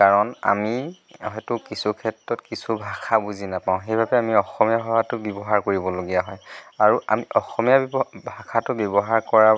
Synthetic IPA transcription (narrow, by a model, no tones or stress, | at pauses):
kaɹɔna̰mi | ɦɔjtʊkisukʰɛtɹɔtkisubʱakʰabuzinapaʊ̃ɦejbʱabɛamiɔxɔmijaxɔɦatʊbjɔbɔɦaɹkoɹibɔloɡijaɦɔjaɹuʔa̰miʔɔxɔmijabʱakʰatʊbjɔbɔɦaɹkɔɹa